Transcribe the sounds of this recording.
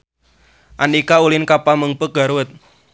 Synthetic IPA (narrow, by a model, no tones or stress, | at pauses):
ʔanikaulɪnkapaməŋpəɡ̥a̤ɾwət̪̚